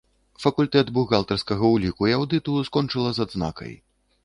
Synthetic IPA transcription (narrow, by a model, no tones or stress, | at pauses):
fɐkulʲt̪ɛd̪buɣalˠt̪ɐrskɐɣɐwlʲikujawd̪ɨt̪uskɔnt͡ʂɨlˠɐzad̪zna̰kɐ̰j